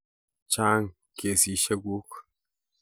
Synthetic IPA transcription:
t͡ʃa˦ŋ | kʰe˨si˨ʃə˦ɡu˦k

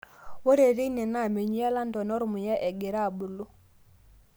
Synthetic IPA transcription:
wo˦ɾe˨ɾi˦nɛ˨na˦˨me˨ɲi˦ja˦la˦ndɔ˨nɔ˦ɾmʊ˨ja˦ʔɛ˨ɡe˨ɾa˦˨bu˨lu˦

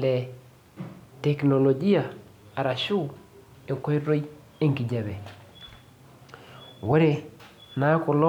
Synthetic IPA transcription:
le˨ | te˨kno˨lo˨d͡ʒi˦ja˨ | a˨ɾa˨ʃu˦ | e˨ko˦i˦ɾo˦j | e˦ŋki˨ɟa˨be˨ | we˦ɾe˨ | na˦ku˨lo˦

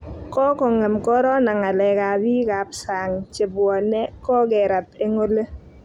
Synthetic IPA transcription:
kɔ˦kɔ˨ŋe˨mkɔ˦ɾɔ˦na˨ŋa˨lɛ˨ka˨bi˦ka˨psa˨ŋt͡ʃe˨bwɔ˨nɛ˦kɔ˦ɡɛ˨ɾa˨pe˦ŋo˦le˦

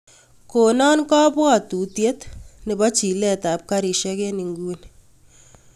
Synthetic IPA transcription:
ko˨nɔ˦nkɔ˦bɔ˦˨tu˨tje˦tne˨bɔ˦t͡ʃi˨lɛ˦˨ta˨p̚ka˦ɾi˨ʃɛ˦ke˦ni˨ŋɡu˦n

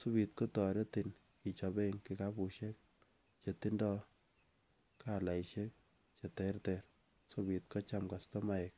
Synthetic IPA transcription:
su˦bi˨t̚ko˦tɔ˨ɾe˦ti˨n | i˨t͡ʃɔ˨be˦ŋkika˦bu˨ʃe˦k̚ | t͡ʃe˨ti˦ndɔ˦ | kala˨iʃe˦k̚ | t͡ʃe˨tɛrteɾ | so˦bi˨t̚kɔ˦t͡ʃa˦mka˨stɔ˦ma˦ɛk̚

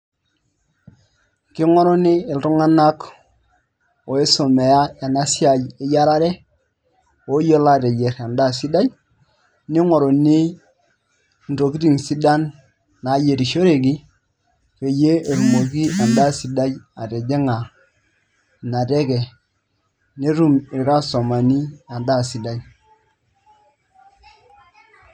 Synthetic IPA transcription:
kɪ˦ŋo˦ɾo˦ni˦ɪ˨ltu˦ŋa˦na˦k | o˨e˦so˨me˨ja˦e˨na˦si˦a˨ji˦ja˦ɾa˦ɾe˦ | o˦jo˦la˦˨te˨d͡ʒe˨ɾa˨nda˦˨si˦da˦d͡ʒ | ni˦ŋo˨ɾo˨ni˦˨ | n̩˨to˨ki˦ti˦˨ŋsi˦da˦nː | a˨˦je˨ɾi˨ʃo˦ɾe˨ki˦ | fe˨je˦e˨ɾu˨mo˨k̬i˦ʔa˨nda˦˨si˨da˦ja˨ɾe˨d͡ʒe˦ŋa˨ | na˨te˦kɛ˨ | ni˦ɾu˦mi˨ɾa˦so˨ma˨ni˦a˨nda˦˨si˨da˦j

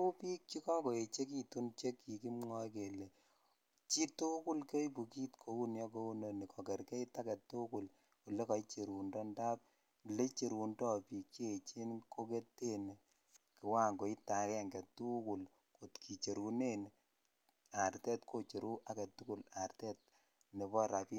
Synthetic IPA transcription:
u˦pi˦k̚t͡ʃi˦kɔ˦ko˨e˨t͡ʃe˦k̬i˦tu˦nt͡ʃe˦kːi˨ki˦mŋɔ˦ke˨le˨ | t͡ʃi˦tu˦ku˦lke˦jpu˨ki˦tkʰo˨u˦njɔ˦ko˦u˦no˨ni˨kʰɔ˨kɛ˨ɾke˦i˦ta˦kɛ˨tːu˦ku˨l | ko˨le˦kɔ˨it͡ʃe˨ɾu˨ndɔ˦nda˦p̚ | le˦t͡ʃe˨ɾu˨ndɔ˦pi˨kt͡ʃe˦˨t͡ʃi˦nko˦ke˦tːe˦n˨ | kɪ˨wa˦ŋɡo˨i˦ta˨kɛ˦ŋɡɛ˨tu˦ku˨l | ko˨tkʰi˨t͡ʃe˨ɾu˨ne˦n | a˨ɾtɛ˦tkʰo˦t͡ʃe˨ɾʔu˦ʔa˦kɛ˨tu˦ku˦la˨rtɛ˦t̚ | ne˨bɔ˦ɾa˨pi˦

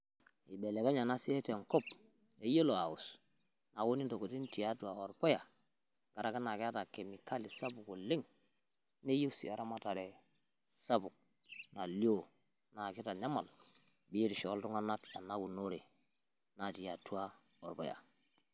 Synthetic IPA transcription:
i˨be˨le˨ka˦ɲa˨na˦si˦e˦te˨ŋko˦p̚ | e˦je˦lo˨a˨ṵ˨s | na˨wo˦ni˦ndo˨ko˨ti˦n˦ti˨a˦tu˦a˨o˨ɾpo˦ja˨ | ɡ̥a˨ɾa˦ka˦na˨ki˦a˦ta˨ke˨mi˨ka˦li˨sa˦bu˨ko˨le˦ŋ | ne˦je˦si˨a˨ɾa˦ma˦ta˨ɾe˨ | sa˦bu˨k̚ | na˨li˦o˦˨ | na˨ki˦ta˨ɲa˦ma˨l | bi˦je˦ti˨ʃo˨˦ltu˦ŋa˦na˦ta˨na˦ɡu˨no˦ɾe˨ | na˨ti˨ja˨tu˦a˦ | o˨ɾpo̰˦ja̰˨

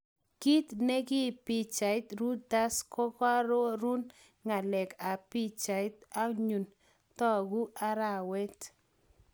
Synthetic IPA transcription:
ki˦t̪ne˦ɡɪ˦pi˦t͡ʃa˨ɪt̪ɾu˦da˦skɔ˦ka˦ɾo˦ɾu˦n | ŋa˨lɛ˨ka˨pi˦t͡ʃa˨ɪ˦t̪̚a˦ɲu˨n | t̪ɔ˦ɡu˦ʔa˦ɾa˨wɛ˦t̪

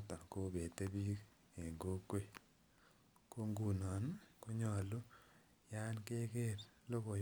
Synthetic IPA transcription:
ta˨ko˦be˨te˦bi˦k | e˨ŋɡo˦kwe˨ | ko˦ŋɡu˨nɔ˨nko˦ɲɔ˨lu˦ | ja˦nke˦ke˦ɾlo˦ko˨

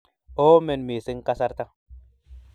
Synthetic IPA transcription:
o˦mɛ˨nme˨sɪ˦ŋ˦ka˦sa˦ɾt̪a˦

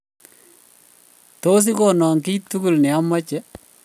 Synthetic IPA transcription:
to˦s̬i˦kɔ˨nɔː˨ŋki˦tu˦ku˨lnɛ˨a˦ma˦t͡ʃɛ˦

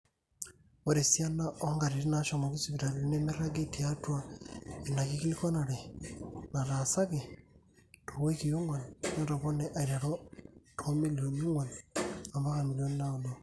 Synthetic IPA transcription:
o˨ɾe˨sja˦na˦ʔoŋɡa˨ɾi˨ɾi˦naʃoma˨kisiβi˨ɾa˨ɾiine˦mi˦ɾa˦ɡetijatwa˦e˨naki˦ki˦liko˦na˨ɾe | na˨ɾasa˦ke˨ | toɣwe˦kiju˦ŋwa˨nna˦taβo˦ne˦ʔa˨iɾaɾotʰo˦mi˦lijo˨nu˦ŋwa˨na˨mba˦ka˨miljonna˦odo

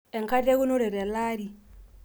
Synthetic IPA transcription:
e˨ŋka˦de˦ɡu˦nu˦ɾɛ˨ɾe˨la˦ɾi˨

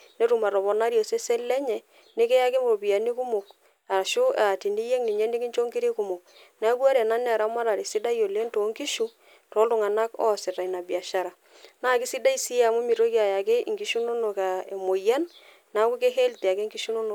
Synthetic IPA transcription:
ne˦ɾu˨ma˨ɾɔ˨βɔ˨na˦ɾjo˨se˦se˦lɛ˦ɲɛ˨ | ne˦ke˦ja˦ke˦mo˨bi˨a˨ni˦ku˦mo˨k | a˨ʃo˦a˨ti˨ni˦jɛ˦ŋni˨ɲɛ˦ne˦kɪ˦ɲt͡ʃo˦ŋɡi˦ɾe˦ku˨mo˨k̚ | n˦a˦kwa˦ɾa˨na˦ne˦a˨ɾa˨˦ma˦ɾa˨ɾi˨sɪ˦da˦jo˨le˦nto˨˦ŋki˦ʃu˦ | tɔ˨˦lo˦˨ŋa˨na˦kɔ̰˦sɪ˨ta˨i˨na˨bja˨ʃa˦ɾa˨ | na˦˨kɪ˦si˦da˦i˦si˦ja˨mo˦mi˨ɾo˦kja˨ja˨ke˦˨ŋɡi˨˦ʃu˦no˦no˨ka˨e˨mo˨ja˦n | na˨˦ku˦ke˦ɦe˦lte˨a˨ke˦ŋɡi˦ʃu˦no˦no˨

